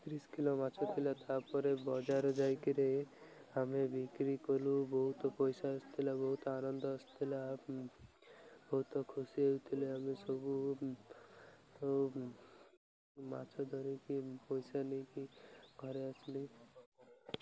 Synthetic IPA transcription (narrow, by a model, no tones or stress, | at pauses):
t̪ɾiskilomat͡ʃʰɔt̪ʰilat̪aɾpɔɾebɔd͡ʒaɾd͡ʒajkiɾe | amebikɾikɔlubɔɦut̪ɔpojsaast̪ʰilabɔɦut̪ɔanɔnd̪ɔast̪ʰila | bɔɦut̪ɔkʰusiewt̪ʰileamesɔbu | ma̰t͡ʃʰɔd̪ʱɔɾikipojsanijkiɡʱɔɾeasli